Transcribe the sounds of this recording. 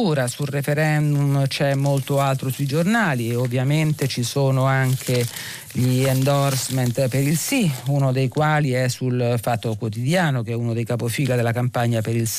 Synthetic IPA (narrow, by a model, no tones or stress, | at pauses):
uːɾasulrefeɾɛnd̪umt͡ʃɛmːolt̪oalt̪ɾosuid͡ʒornaːlieovːjament̪et͡ʃisoːnoaŋkʰe | ʎiɛnd̪orsment̪peɾilsiunod̪ejkwaːliɛsulfat̪ːokwot̪̬id̪jaːnok̟ɛunod̪ejkapofiːlad̪elakampaɲːapeɾils